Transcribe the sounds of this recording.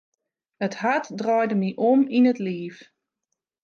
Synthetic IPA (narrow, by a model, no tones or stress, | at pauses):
əthatdrɔːjdəmiʔominətliːf